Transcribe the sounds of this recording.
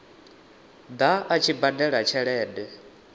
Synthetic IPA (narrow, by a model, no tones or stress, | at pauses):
d̪aʔat͡ʃʰibadɛɺat͡ʃʰɛɺɛːdɛ